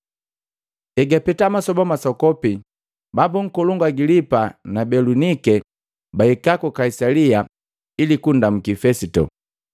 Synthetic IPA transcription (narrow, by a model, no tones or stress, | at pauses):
ɛɡapɛtamasɔbɔmasɔkɔpi | babuŋ̩kɔluŋɡwaɡilipanabɛlunikɛ | baikakɔkaisalia | ilikundam̩kifɛsitɔ̰